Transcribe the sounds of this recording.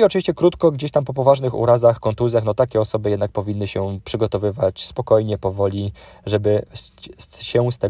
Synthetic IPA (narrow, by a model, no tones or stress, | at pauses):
iɔt͡ʂɨvʲiɕt͡ɕɛkɾut̪kɔɡd͡ʑeɕt̪ampɔpɔvaʐnɘxṵɾazaxkɔnt̪uzʲjaxnɔt̪akʲɛɔsɔbɘjɛd̪nak̚pɔvʲinːɘɕɛpʂɘɡɔt̪ɔvɘvat͡ɕspɔkɔjɲɛpɔvɔlʲiʐɛbɘ | ɕɛst̪ɛ